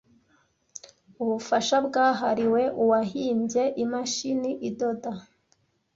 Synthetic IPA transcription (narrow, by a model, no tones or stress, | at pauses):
uβufaʃabɡaːɦaɾiwe̞ʔuwaɦiːmbje̞ʔimaʃiniʔido̞da